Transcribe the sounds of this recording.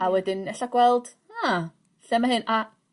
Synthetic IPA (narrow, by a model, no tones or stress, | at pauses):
awɛdɪnɛɬaɡ̥wɛlˠd̥ | a | ɬɛmaɦɨna